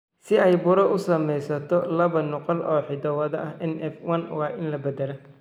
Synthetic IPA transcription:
sɪɛjbʊɾɐʔʊsɐmɛjsɐt̪ʰɔlɐβɐnʊqɐlɔːħɪd̪ɐwɐðɐɐhɛnʔɛfwɐnwɑːʔɪnlɐbɐd̪ɐlɐ

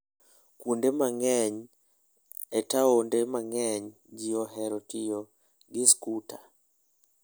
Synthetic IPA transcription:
kundemaŋɛɲ | ɛtaondemaŋɛɲ | d͡ʒiɔɦɛɾɔtijo | ɡɪskutʰa

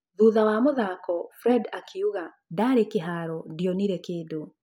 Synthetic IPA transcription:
ðuːðawamoðakɔfɾɛdakʰeuɣa | daɾekeɦaɾɔdiɔniɾɛkeːdo

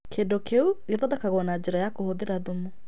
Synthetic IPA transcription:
kʰedɔkʰeuɣeðɔdakaɣɔnad͡ʒɪɾajakohoðeɾaðomu

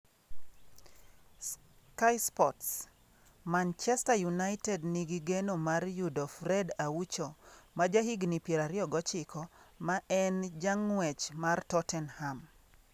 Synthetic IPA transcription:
s | kajspɔts | mant͡ʃɛstajunaɪtɛdniɡiɡenomarjudɔfɾɛdawut͡ʃomad͡ʒaɦiɡnipjeɾaɾɪɔɡɔt͡ʃɪkɔmaʔɛnd͡ʒaŋwɛt͡ʃmartɔtɛnham

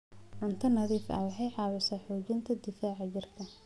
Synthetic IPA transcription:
ʕʊnt̪ʰɐnɐðiːfʔɐ̰wɑħɑjħɑːwɐsɐħɔːd͡ʒɪnt̪ʰɐd̪ɪfaːʕɑd͡ʒɪrkʰɐ

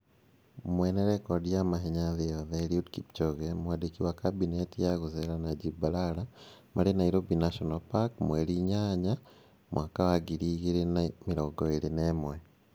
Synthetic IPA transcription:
mweneɾekodijamaɦeɲaðeoðeliudkipt͡ʃoɣemuwadikiwakabinetijaɣuzelanaɟibalalamʔa̰linaiɾobinaʃonalpakmweliɲaːɲa | mwakawaɡiɾiɣiɾinamiɾoɡoilinemwe

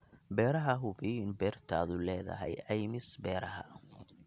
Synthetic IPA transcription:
bɛːɾɐɦɐɦʊbiɪnbɛːrt̪ʰaːðʊlɛːðɐ̰ɦɛ̰jɐjmɪsbɛːɾɐɦɐ̰

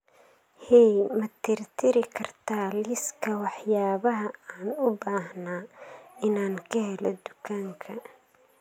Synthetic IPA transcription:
hɛjmɐt̪ʰɪrt̪ʰɪɾɪkʰɐrt̪ʰaːlɪskʰɐwɑħjaːβɐɦɐaːnʊbaːhnaːɪnaːŋkʰɐɦɛlɔ̰d̪ʊkʰaːŋkʰɐ

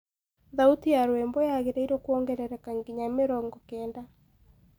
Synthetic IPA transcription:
ðautijaɾwɛmbɔjaɣeɾaiɾokwɔŋɡɛɾɛɾɛkaŋɡiɲameɾɔŋɡɔkɛːnda

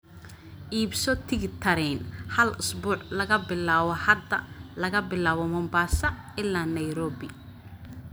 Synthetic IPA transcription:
ʔiːbsɔt̪ʰɪɣɪt̪ʰɐɾɛnhɐlʊsbuːʕlɐɣɐbɪlaːβɔhɐd̪ɐlɐɣɐbɪlaːβɔmɔmbaːsɐ | ɪlːaːnɐjɾɔːbɪ

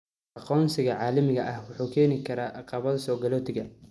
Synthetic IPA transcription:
ʔɑqɔːnsɪɣɐʕɑːlɐmɪɣɐʔɐhwʊħuːkʰɛːnɪkʰɐɾaːʔɑqɑːβɐðɐsɔːɡɐlɔːt̪ʰɪɣɐ

